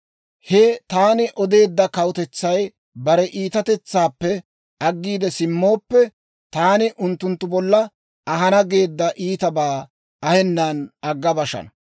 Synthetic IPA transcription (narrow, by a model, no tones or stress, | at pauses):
hɛt̪aːnɪʔɔd̪e̞ːd̪ːɐkɐwʊt̪ɛt͡sːɐj | bɐɾɛʔiːt̪ɐt̪ɛt͡sːaːpːɛ | ɐɡːiːd̪ɛsɪmːo̞ːpːɛ | t̪aːnɪʔʊnt̪ːʊnt̪ːʊbɔlːɐ | ɐɦɐnɐɡe̞ːd̪ːɐʔiːt̪ɐbaː | ɐhɛnːɐnɐɡːɐbɐʃɐ̰nɐ